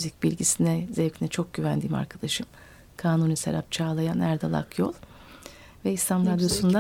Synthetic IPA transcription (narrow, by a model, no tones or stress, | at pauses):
yzicbilʲɟisinɛzɛvcʰinɛt͡ʃʰo̞k̚ɟyvænd̪iːma̰ɾkʰad̪̥aʃɯm | kʰaːnunisḛɾap̚t͡ʃʰaːlˠajanæɾd̪a̰lˠa̰kʰjo̞̰lˠ | vɛist̪ʰanɾad̪jo̞sund̪a